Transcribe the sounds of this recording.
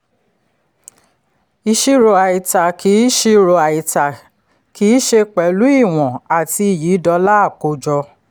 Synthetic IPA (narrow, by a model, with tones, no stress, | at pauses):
i˧ʃi˧ɾo˨a˨i˨ta˨ki˨˦ʃi˧ɾo˨a˨i˨ta˨ | ki˨˦ʃe˧k͡pɛ˨lu˦i˦˨w̃ɔ̃˨a˨ti˧i˨jiː˨˦dɔ˧˦la˦a˦˨ko˧˦d͡ʒɔ˧